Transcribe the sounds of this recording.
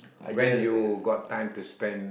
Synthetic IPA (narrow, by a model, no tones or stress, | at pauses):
wɛ̃njuɡɔtʰːãɪ̃mtuspɛ̃n